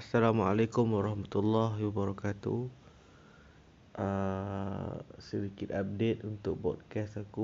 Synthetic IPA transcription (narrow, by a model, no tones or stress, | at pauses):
asːalama̰lakʊmwaɾɑhmat̪ulːaɦwabaɾɔkat̪u | ʔə | sədikɪt̪ap̚det̪unt̪ʊk̚bɔ̰d̚kɛstaku